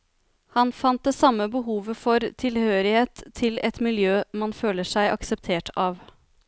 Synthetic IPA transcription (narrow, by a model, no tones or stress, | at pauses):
hɑnfɑnt̪̚d̪eːsɑmːəbəɦuːʋəfɔɾt̪ʰɪlhøːɾɪheːt̪ʰːɪlɛt̪mɪljøːmɑnføːləʂæɪʔɑ̰ksəp̚t̪ʰeːʈʰɑːʋ